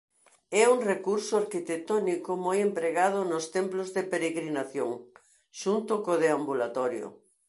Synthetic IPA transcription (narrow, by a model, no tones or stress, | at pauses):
ɛuŋrekuɾsʊaɾkit̪et̪ɔnikomojempɾeɣað̞ʊnʊst̪emplozðepeɾeɣɾinaθjoŋ | ʃunt̪ʊkoðeambulat̪ɔɾjo̰